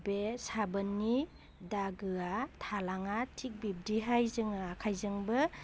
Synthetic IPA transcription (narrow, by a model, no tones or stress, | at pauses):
besabənːi | daɡɯatʰalaŋatʰik̚bib̚diɦajzɯŋakʰajzɯŋbɯ